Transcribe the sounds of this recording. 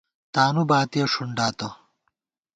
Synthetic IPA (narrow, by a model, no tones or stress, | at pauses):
t̪aːnubaːt̪ijɐʂuɳɖaːt̪ɐ